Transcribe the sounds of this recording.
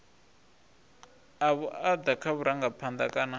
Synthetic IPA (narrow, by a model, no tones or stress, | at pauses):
aβuad̪akʰaβuɾaŋɡapʰand̪akʼana